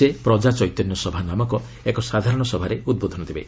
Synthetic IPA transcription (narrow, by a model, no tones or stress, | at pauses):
epɾɔd͡ʒat͡ʃɔjt̪ɔnjɔsɔbʱanamɔkɔ | ekɔsad̪ʱaɾɔɽ̃ɔsɔbʱaɾeud̪̚bod̪ʱɔnɔt̪ʰibḛ